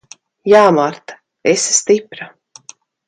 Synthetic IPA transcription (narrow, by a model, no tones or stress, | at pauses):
jaːmaɾt̪ḁ | esst̪ipɾa